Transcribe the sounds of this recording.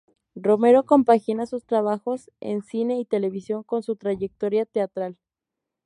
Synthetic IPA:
ro̞me̞ɾo̞ko̞mpaxinasust̪ɾaβaxo̞s | ḛnsine̞it̪e̞le̞β̞isjo̞ŋko̞nsut̪ɾaʝek̚t̪oɾjat̪e̞at̪ɾal

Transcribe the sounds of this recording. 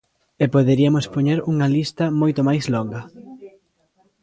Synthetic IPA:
epoðeɾiɐmʊspoɲeɾuŋɐlist̪ɐmojt̪ʊmajslɔŋɡɐ

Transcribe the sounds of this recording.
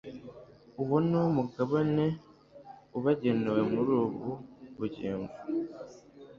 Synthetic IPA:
uwonomuɡaβane | uβaɟenewemuɾuβuβuɟḭːɱvu

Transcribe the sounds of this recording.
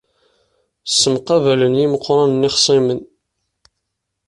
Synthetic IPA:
sːəmqɑvælənjiməqːɾˤɑnnːɪχsˤimən

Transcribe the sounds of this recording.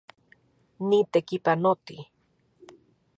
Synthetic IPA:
nit̪ekipanot̪i

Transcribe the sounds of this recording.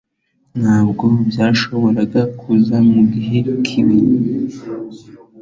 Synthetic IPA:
n̥haːbɡo̞bjaːʃo̞βo̞ɾaɡakʰuzamuɡiɦe̞kʰiβiɾi

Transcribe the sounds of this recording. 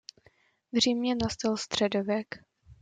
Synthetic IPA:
vr̝iːmɲɛnast̪alst̪r̝̥ɛdovɛk

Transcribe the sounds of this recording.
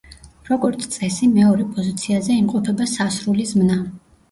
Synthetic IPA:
ɾɔɡɔɾt̪sʰt̪sʼɛsimɛɔɾɛpʼɔzit̪sʰiazɛimqʼɔpʰɛbasasɾulizmna

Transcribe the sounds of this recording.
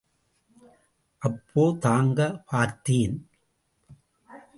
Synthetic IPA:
ʔɐpʰːoːt̪aːŋɡɐpʰaːɾt̪iːn

